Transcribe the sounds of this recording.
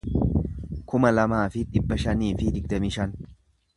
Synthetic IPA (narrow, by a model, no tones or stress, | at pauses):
kʊmɐlɐmaːfɪᶑɪbːɐʃɐniːfɪd̪ɪɡ̚d̪ɐmɪʃɐn